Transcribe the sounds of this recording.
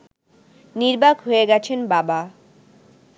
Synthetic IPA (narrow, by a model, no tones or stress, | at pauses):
niɾbakɦoeɡɛt͡ɕʰenbaba